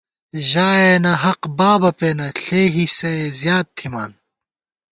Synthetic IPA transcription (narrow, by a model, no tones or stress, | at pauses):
ʑaːeːnɐɦɐqbaːbɐpeːnɐɬeːɦisezjaːd̪̚t̪ʰːimaːn